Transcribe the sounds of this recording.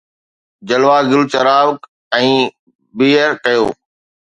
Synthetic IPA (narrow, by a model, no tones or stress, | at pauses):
d͡ʑəlʋaːɡɪlt͡ʃəɾaːʋk | ɛ̃ː | biːəɾkɐjo̰ː